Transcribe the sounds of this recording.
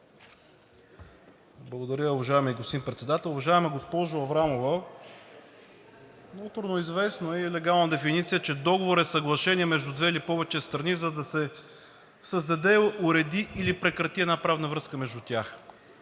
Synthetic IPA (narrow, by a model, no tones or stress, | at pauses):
blˠɐɡod̪ɐɾʲəʊvɐʒaɛmiɡost̪inpɾɛt̪sɛd̪at̪ɛlˠʊvɐʒaɛmɐɡospɔʒʊɐvɾamovə | nɔt̪oɾnoizvɛsnoɛiɛlɛɡalˠnəd̪ɛfinit̪sijət͡ʃɛd̪ɔɡovoɾɛsɐɡlˠɐʃɛniɛmɛʒd̪ud̪vɛilipɔvɛt͡ʃɛst̪ɾɐnizɐd̪ɐsɛ | səzd̪ɐd̪ɛʊɾɛd̪iʔːlipɾɛkɾɐt̪iɛd̪napɾavnəvɾɤskəmɛʒd̪ut̪ʲax